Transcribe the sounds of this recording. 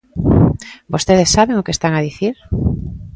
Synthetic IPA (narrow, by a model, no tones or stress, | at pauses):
bost̪eð̞esːaβeŋokest̪aŋaðiθiɾ